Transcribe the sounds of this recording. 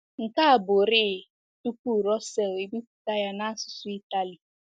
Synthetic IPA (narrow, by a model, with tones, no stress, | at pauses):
ŋ̩˨ka˦a˨bʊ˨ɾɪ˦˨ | tu˦ku˦˨ɾɔ˦sɛ˨le˨bi˦ku̥˦ta˦ja˦na˦a˦sʊ̥˨sʊ˦i˦ta˦li˨